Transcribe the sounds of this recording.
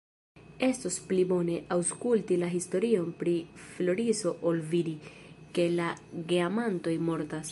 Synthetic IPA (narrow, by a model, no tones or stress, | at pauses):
e̞stosplibo̞ne̞ʔawskultilaɦisto̞ɾio̞npɾiflo̞ɾiso̞ʔolvidi | ke̞laɡiamanto̞jmo̞ɾtas